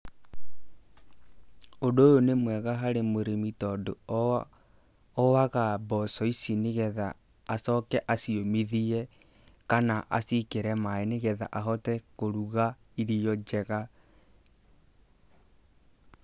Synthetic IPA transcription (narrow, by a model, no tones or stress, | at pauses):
odojonemwɛɣaɦaɾemoɾemitɔdo | ɔwaɣabɔsɔisineɣɛðaː | sɔkɛʔasiomiðiɛ | kanaʔa̰sikeɾɛmaeneɣɛða̰ʔaɦɔtɛkoɾuɣa | iɾijɔd͡ʒɛɣa